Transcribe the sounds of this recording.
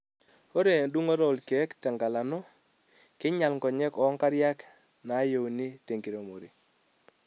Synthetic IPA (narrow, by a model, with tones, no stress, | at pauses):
o˦ɾe˨du˦ŋo˦ɾɔ˨lke˨˦ktɛ˨ŋɡa˨la˨no˦ | kɪ˦ɲa˨lŋɡɔ˨ɲɛ˦kɔ˨˦ŋka˦ɾja˦k | na˨˦jo˨wni˦te˨ŋɡi˨ɾo˨mo˨ɾi˨